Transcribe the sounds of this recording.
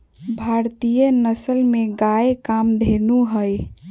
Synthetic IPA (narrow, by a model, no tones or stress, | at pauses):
bʱaɾt̪ijənəsəlmeɡaekamd̪ʱenuɦəj